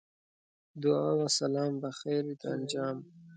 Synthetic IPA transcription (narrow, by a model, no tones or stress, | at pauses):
d̪uawasalɑːmbaxeɾit̪and͡ʒɑːm